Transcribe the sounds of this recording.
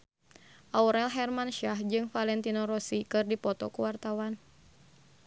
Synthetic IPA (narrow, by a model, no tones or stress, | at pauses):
ʔauɾɛlɦɛrmanʃahd͡ʒɨŋfalɛnt̪inɔɾɔsikɨrdipɔt̪ɔ̰kuwart̪awan